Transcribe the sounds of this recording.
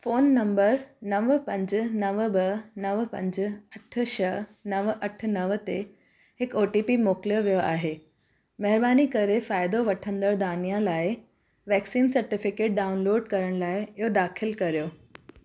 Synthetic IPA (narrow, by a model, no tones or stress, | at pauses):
foːnːɐ̃mbəɾnɐʋpɐ̃ɲd͡ʑnɐʋbɐnɐʋpɐ̰̃ɲd͡ʑɐʈ̆ʰʃɐnɐʋʔɐʈ̆ʰnɐʋət̪e | hɪkoːʈiːpimoːkljoʋijoʔa̰ːɦeː | mɐɦɪɾbaːnikɐɾefaːɪd̪oʋɐʈʰə̃nd̪əɾd̪aːnijãlaːɪ | ʋɛːksiːnsɐɾʈɪfɪkeːʈ̚ɖaːʊnloːɖkɐɾəɽ̃laːɪɪɦod̪aːxʰɪlkɐɾijoː